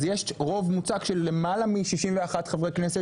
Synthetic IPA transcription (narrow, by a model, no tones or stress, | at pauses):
zjeʃʁo̞vmut͡saɡʃe̞lːe̞malamiʃiʃimveaχat̪χavʁejknese